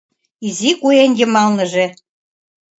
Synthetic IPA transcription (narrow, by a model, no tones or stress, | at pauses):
izikujenjə̆mɑlnɤ̆ʒe